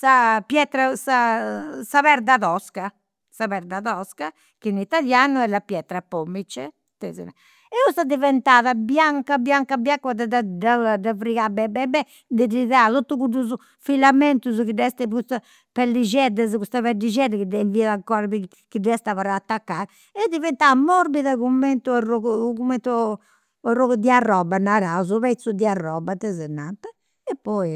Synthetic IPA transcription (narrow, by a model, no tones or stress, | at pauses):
sapjɛt̪ɾasasaβɛɾd̪aðɔska | saβɛɾd̪aðɔska | kinit̪aljanuɛlapjɛt̪ɾapomːit͡ʃːɛ | t̪ɛzɛ̰na | ɛust̪ad̪ivɛnt̪aːðabjaŋkabjaŋkabjakwad̪ɛd̪d̪ad̪avɾiɣabɛbɛbɛ | d̪ɛdiðat̪ot̪ːukuduz | filamɛnt̪uzkidɛst̪ɛkust̪a | pɛlːid͡ʒɛd̪ɛzkust̪aβɛdid͡ʒɛd̪ɛkidɛviaðaŋkɔɾaβi | kidɛst̪avaɾaːt̪ːakːaɾ | ɛd̪ivɛnt̪amɔɾbiðakumːɛnt̪urɔkumɛnt̪u | ɛrɔɡd̪iarːɔbanaɾazuβɛt̪sud̪iarːɔbat̪ɛzɛnːat̪ɛ | ɛpːɔji